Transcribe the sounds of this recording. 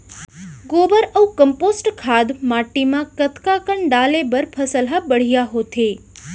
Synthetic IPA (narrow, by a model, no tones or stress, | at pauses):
ɡobəɾəũkəmposʈkʰad̪maʈːimãkət̪kakəɳɖalebəɾpʰəsəlɦabəɽ̤ijaɦot̪ʰe